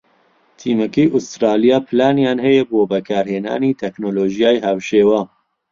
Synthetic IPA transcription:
t̪ʰiːmɛkiʔust̪ɾaːlijaːpʰɨlaːnjaːnhɛjɛboːbɐkʰaːɾheːna̰ːniːt̪ʰɛknoːloːʒijaːjhawʃeːwaː

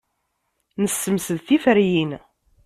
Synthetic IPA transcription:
nəsːəmsəðθifəɾjin

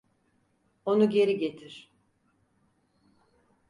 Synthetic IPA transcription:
o̞nuɟe̞ɾiɟe̞t̪ʰiɾ̥

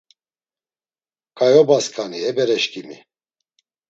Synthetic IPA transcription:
kʼajɔbaskʰʼaniɛbɛɾɛʃkʼimi

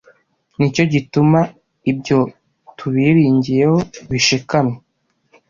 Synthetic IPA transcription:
nico̞ɟituma | ibɟo̞ | tʰuβiɾiːɲɟije̞ho̞βiʃikame

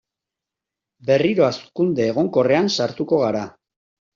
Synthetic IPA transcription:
be̞riɾo̞askund̪e̞ːɣ̞o̞ŋko̞re̞ansaɾt̪uko̞ɣ̞aɾa

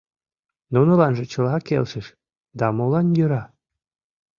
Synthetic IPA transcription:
nunŏlɑnʒĕt͡ɕə̆lɑkḛlʃəʃ | d̪ɑmolɑnjøɾɑ

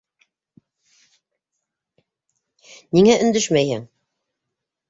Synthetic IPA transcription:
niŋæʔɵ̆nd̪ɵʃmæjhɘŋ

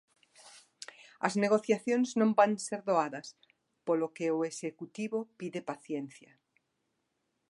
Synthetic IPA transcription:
ɐ̰zneɣ̞oθjaθjonznõmbaŋseɾðoaðɐs | polokeoesekut̪iβopiðepaθjenθjɐ

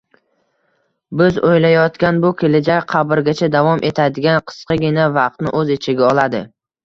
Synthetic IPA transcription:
bɪzojlajɒt̪kʲanbʊkʲʰe̞lɪd͡ʒakʲqʰɑbɪɾɡʲat͡ʃʰad̪avɒmʔe̞t̪ʰad̪ɪɡʲanqʰɨ̥sqɑɡʲɪnavɑq̚t̪nɪ̰ʔɵzet͡ʃʰɪɡʲaɒlˠad̪ɪ

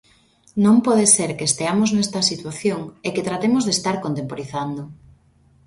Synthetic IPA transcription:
nõmpɔðeseɾkeest̪eamoznɛst̪ɐsit̪waθjoŋeket̪ɾat̪emʊzðest̪aɾkont̪empoɾiθand̪o

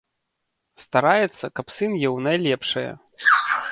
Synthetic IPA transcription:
st̪aɾajɛt̪sːɐkɐpsɨnjɛwnajlʲɛpʂɐjɐ̰

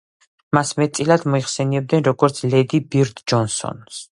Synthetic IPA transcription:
masmɛt̪sʼilad̪mɔiχsɛniɛb̚d̪nɛnɾɔɡɔɾt̪sʰlɛd̪ibiɾt̪ʼd͡ʒɔnsɔ̰ns

